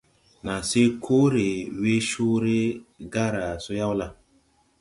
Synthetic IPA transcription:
na˨se˦kʰo˦ɾe˨we˦ʃu˦ɾe˦ɡa˦ɾa˨so˦ja˦wla˦

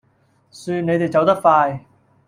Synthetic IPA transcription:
syː˧ne˨˧jt̪e˨jt͡sɐ˨˥wt̪ɐ˥k̚faː˧j

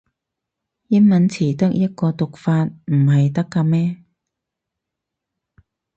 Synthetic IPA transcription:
jɐ˥nmɐ˨˥nt͡sʰiː˨˩t̪ɐ˥k̚jɐ˥t̚kɔː˧t̪ʊ˨k̚faː˧t̚m̩˨˩ɦɐ˨jt̪ɐ˥kːaː˧mɛː˥

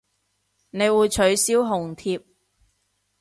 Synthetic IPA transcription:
ne˨˧jwuː˨˧jt͡ʃʰɵ˨˥ɥsiː˥wɦʊ˨˩ŋt̪ʰiː˧p̚

